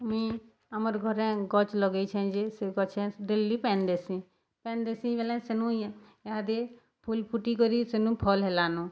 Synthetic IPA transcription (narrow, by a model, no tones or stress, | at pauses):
mĩ | əməɾɡʱəɾɛ̃ɡɔt͡ʃləɡəit͡ʃʰɛ̃d͡ʒeseɡɔt͡ʃʰɛ̃ɖelipɛ̃ːnd̪eːsĩ | pɛ̃ːnd̪esĩʋelɛ̃senũ | jad̪e | pʰulpʰuʈikəɾisenũːpʰɔːlɦelaːnũː